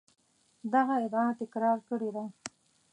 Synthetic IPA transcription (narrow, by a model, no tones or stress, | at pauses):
d̪aɣaɪd̪at̪ɪkɾɑɾkəɽed̪a